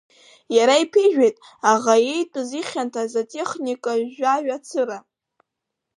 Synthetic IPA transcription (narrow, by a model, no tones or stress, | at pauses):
jaɾaipʰiʒᶣejtʼ | aʁajejtʼɨziχʲantʰazatʼe̞χnikʼaaɥat͡sʰɨɾa